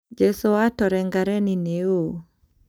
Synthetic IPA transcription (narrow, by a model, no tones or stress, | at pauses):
d͡ʒesoatɔɾɛŋɡaɾɛnineo